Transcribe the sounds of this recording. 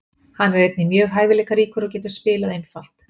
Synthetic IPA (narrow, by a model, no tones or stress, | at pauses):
hanːaɾɾejt̪nɪmjœːɣɦaːjvɪlɛːkaɾiːkʏɾɔwcɛːt̪ʏ̥spɪːlaðejnfal̥t̪